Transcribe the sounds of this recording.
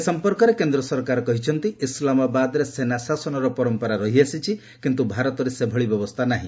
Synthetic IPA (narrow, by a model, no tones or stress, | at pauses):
esɔmpɔɾkɔɾekend̪ɾɔsɔɾkaɾɔkɔɦit͡ʃʰɔnt̪iislamabad̪ɔɾesenasasɔnɔɾɔpɔɾɔmpɔɾaɾɔɦiasit͡ʃʰi | kint̪ubʱaɾɔt̪ɔɾesebʱɔɭibjɔbɔst̪ʰanaɦĩ